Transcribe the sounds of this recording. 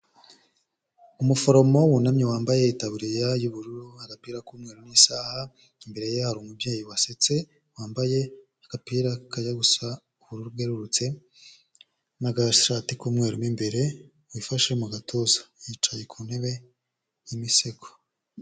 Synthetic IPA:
umufo̞ɾo̞mo̞wunamɲewaːmbajeitaβuɾijajuβuɾuɾuhaɡapiːɾakuːmŋe̞ːɾuniːsaːha | imbe̞ɾe̞jehaɾuːmubjeːjiwaset͡se̞ | waːmbaje̞haɡ̥apiːɾakajaɡusa | uβuɾuɾub̚ɡeɾuɾut͡se̞ | maɡaʃʃaːtikuːmŋe̞ːɾumimbe̞ɾe̞ | wifaʃemuɡatʰozḁjit͡ʃajekʰuːneβe̞ | jimiseko̥

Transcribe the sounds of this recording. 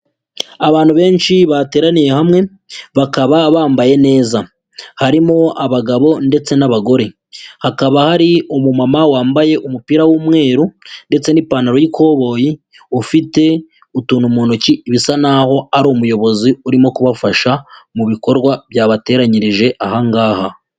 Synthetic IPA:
aβaːnhuβe̞ːnʃiβate̞ːɾanije̞hamŋe̞ | βakaβaβaːmbaje̞ne̞ːza | haɾimo̞aβaɡaβo̞nde̞t͡se̞naβaɡo̞ɾe̞ | hakaβahaɾiomumamawaːmbaje̞ʔumupiːɾawuːmŋe̞ːɾunde̞t͡se̞nipaːnaɾojikʰo̞ːβo̞ji | ufite̞ | utuːnumonociβisanaho̞aɾomujo̞βo̞ziuɾimo̞kuβafaʃamuβiko̞ɾɡwaβjaːβate̞ːɾaɲiɾiʒe̞ʔahaŋɡaːha

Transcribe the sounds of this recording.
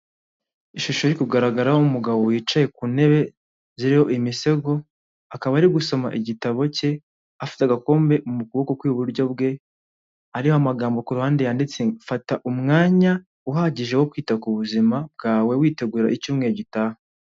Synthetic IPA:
iʃuʃo̞ɾikuɡaɾaɡaɾahoumuɡaβo̞wiːt͡ʃaje̞kune̞βe̞ | ziɾiho̞ʔimise̞ɡo̞ | akaβaːɾiɡuso̞ma̰ʔiɟitaβo̞ce̞ | afi̥teaɡako̞ːmbe̞ʔumukuβo̞ko̞kwiβuɾɟo̞b̚ɡe̞ | aɾihoamaɡaːmbo̞kuɾuhaːndejaːndit͡sefataʔumŋaːɲa | uɦaɟiʒe̞hokwiːtakuβuzimab̚ɡaːwe̞wiːte̞ɡuɾaʔicuːmŋe̞ɾoɟitaha

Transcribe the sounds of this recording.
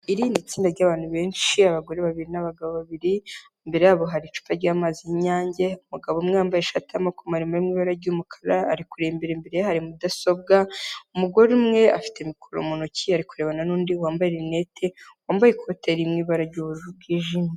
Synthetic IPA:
iɾiːndit͡siːndaɾɟaːβaːn̥huβe̞ːnʃiaβaɡo̞ɾeβaβiɾinaβaɡaβoβaβiɾi | mbe̞ɾejaːβo̞ɦaɾit͡ʃu̥paɾɟaːmaːziɲaːɲɟe̞umuɡaβomŋeaːmbajeʃatamakumhaɾimaemŋiːβaɾaɟumukʰḁɾaːɾikuɾembeɾembeɾejɦaɾimudaso̞b̚ɡaumuɡo̞ɾemŋe̞a̰fi̥te̞mikʰoɾomonocʰiaɾikuɾe̞ːβananuːndiwaːmbajeɾinetʰewaːmbajekʰo̞teɾimŋiːβaɾaɟuβuʒubɡiːʒiːme

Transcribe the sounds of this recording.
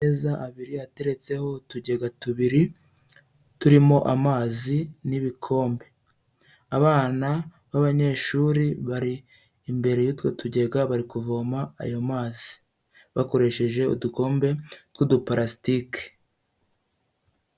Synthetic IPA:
ezaʔaβiɾiate̞ɾe̞t͡se̞ho̞tuɟe̞ɡatuβiɾi | tuɾimo̞ʔamaːziniβikʰo̞ːmbe̞ | aβaːna | βaβaɲe̞ːʃuɾiβaɾiː | mbe̞ɾe̞jutwo̞tuɟe̞ɡaβaɾikuvo̞ma̰ːjomaːzi̥ | βako̞ɾe̞ʃe̞ʒe̞ṵduko̞ːmbe̞tɡudupaɾasi̥tike̥

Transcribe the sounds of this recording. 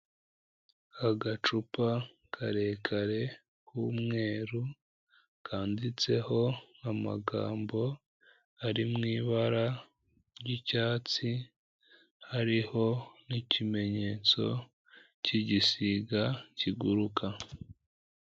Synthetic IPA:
aɡat͡ʃupa | kʰaɾe̞ːkʰaɾe̞ | kumŋe̞ːɾu | kʰaːndit͡se̞ho̞ama̰ɡa̰ːmbo̞ | aɾimŋiːβaɾa | ɾɟicaːt͡si | haɾiho̞nicime̞ɲe̞ːt͡so̞̰ | ciɟisiɡaciɡuɾukʰa

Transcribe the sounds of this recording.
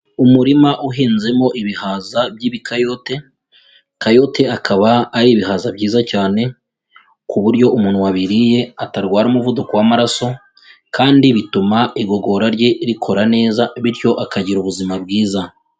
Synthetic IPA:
umuɾimaʔuɦiːnze̞mo̞ʔiβihaːzabjiːβikajo̞te̞ | kajo̞te̞akʰaβaːɾiːβiɦaːzabɟiːzacaːne̞ | kuβuɾɟo̞ʔumuːn̥huwaβiɾije̞ataɾɡwaːɾumuvudukowamaɾaso̞ | kaːndiβitumaʔiɡo̞ɡo̞ɾaɾɟe̞ɾikʰo̞ɾane̞ːzaβiɾjo̞ʔakaɟiɾuβuzimabɡiːza

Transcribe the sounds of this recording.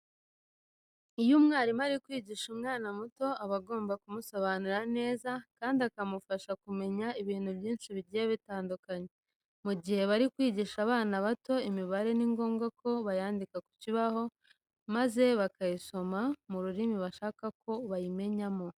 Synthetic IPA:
ijumŋaːɾimaɾikwiːɟiʃumŋaːnamuto̞aβaɡo̞ːmbakumusoβanuɾane̞ːzakaːndiakamufaʃakume̞ɲaiβiːnhubjiːnʃiβiɾɟijeβitaːndukaɲe | muɟihe̞βaɾikwiːɟiʃaβaːnaβato̞imiβaɾe̞niŋɡo̞ːŋɡakʰo̞βajaːndikaku̥ciβaho̞ | maze̞βakajiso̞mamuɾuɾimiβaʃaːkako̞βajime̞ɲamo̞

